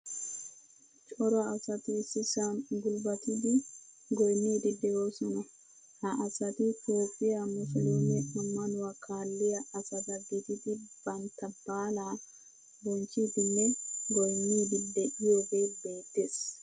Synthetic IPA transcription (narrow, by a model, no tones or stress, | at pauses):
t͡ʃʼɔɾɐɐsɐt̪isɪsaːnɡʊlbɐt̪ɪd̪ɪ | ɡɔjnːiːd̪ɪd̪ːɛjoːsɔnɐ | hɐʔɐsɐt̪ɪt̪oːpʼːɪjɐmʊsɛd̪oːnɛʔɐmːɐnʊwɐkʰaːlːɪjɐʔɐsɐd̪ɐɡːɪt̪ɪt̪ɪb̥ɐnt̪ɐbaːlaː | bɔnt͡ʃːit̪ɪnːɛɡɔjnːiːd̪ɪd̪ːɛɪjoɡeːbe̞ːt̪ːes